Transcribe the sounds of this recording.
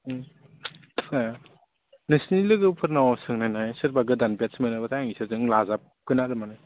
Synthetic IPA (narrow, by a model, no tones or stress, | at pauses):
tkaja | nɯsnilɯɡɯpʰɯɾnawasɯŋnajnajsɯɾbaɡɯdanbjasmenɯbatʰajaŋisɯzɯŋlazap̚kɯnaɾɯmanaj